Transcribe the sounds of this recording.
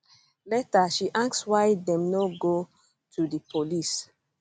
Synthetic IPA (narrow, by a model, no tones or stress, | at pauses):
lɛtaʃiʔakswaɪdɛ̃mnoɡo | tʰudəpʰolis